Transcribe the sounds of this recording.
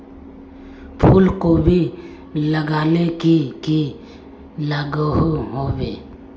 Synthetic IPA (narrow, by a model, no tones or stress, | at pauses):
pʰuːlkobʱi | ləɡaːlekiki | laːɡəɦɦoːwḛː